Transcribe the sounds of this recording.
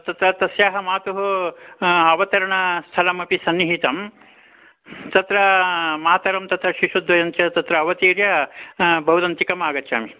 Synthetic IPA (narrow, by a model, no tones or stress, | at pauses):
t̪ɐt̪ɾɐt̪ɐsjaːɦɐmaːt̪uɦu | ɐʋɐt̪ɐɾɐɳɐst̪ʰɐlɐmɐpisɐnːiɦit̪ɐm | t̪ɐt̪ɾɐmaːt̪ɐɾɐmt̪ɐt̪ɾɐʃiʃud̪ʋɐjɐnt͡ʃɐt̪ɐt̪ɾɐːʋɐt̪iːɾjɐ | bʱɐʋud̪ɐnt̪ikɐmaːɡɐt̪ːt͡ʃa̰ːmi